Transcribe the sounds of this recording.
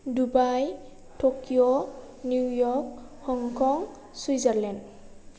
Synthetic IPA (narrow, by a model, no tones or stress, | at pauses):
dubaj | tʰokijo | nuwjɔk̚xɔŋkʰɔŋ | swijzaɹlɛnd